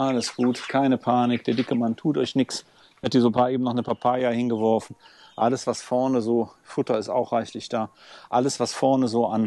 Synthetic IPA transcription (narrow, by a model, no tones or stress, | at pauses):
ʔaləsɡ̥uːtkʰaɪnəpʰaːnɪk̚d̥eːɐdɪkəmantʰuːtɔʏçnɪks | hat̚d̥iːzopaːʔeːbm̩nɔχnəpʰapʰaːjahɪnɡəvɔɐfn̩ʔa̰ləsv̥asfɔɐnəzoːfʊtɐɪsta̰ʊxʁ̥aɪçlɪçd̥aːʔaləsv̥asfɔɐnəzoːʔan